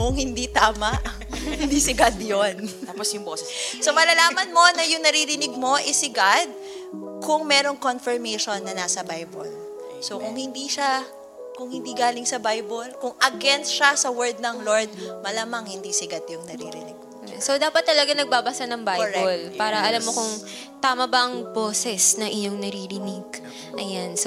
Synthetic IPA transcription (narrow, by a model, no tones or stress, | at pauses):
kʊŋhɪnd̪it̪aːmɐʔ | hɪnd̪isɪɡad̪jonaːposjʊŋboːsɛssomɐlɐlaːmɐnmo̞nɐjʊŋnɐɾiɾɪnɪɡ̚mo̞ʔɪsɪɡad̪̚ | kʊŋmɛːɾo̞ŋkonfɛɹmɛjʃonːɐnaːsɐbajbo̰l | sokʊŋhɪnd̪iʃa | kʊŋhɪnd̪iːɡaːlɪŋsɐbajbolkʊŋʔɐɡɛnsʃasɐwɛɹd̪̚nɐŋloɹd̪̚mɐlaːmɐŋhɪnd̪isɪɡɐt̪̚jʊŋnɐɾḭːɾɪ̰nɪɡɡ̚ | ɛsod̪aːpɐt̪ːɐlɐɡanɐɡ̚babasanɐŋbajɾɛolpaːɾɐʔɐlamːo̞kʊŋ | t̪aːmɐbɐʔɐŋboːsɛsnɐŋʔɪɲo̞ŋnɐɾiɾɪnɪɡ̚ | ʔɐjans